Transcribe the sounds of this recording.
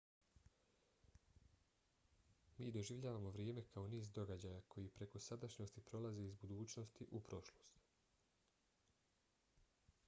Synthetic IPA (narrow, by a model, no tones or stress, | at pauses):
miːd̪o̞ʒiʋʎaːʋamo̞ʋɾjeːme̞kʰao̞niːzd̪o̞ɡad͡ʑajakʰo̞jipɾe̞ko̞sad̪aʃɲost̪ipɾo̞laze̞izbud̪uːt͡ɕno̞st̪iʔupɾo̞ʃlˠo̞st̪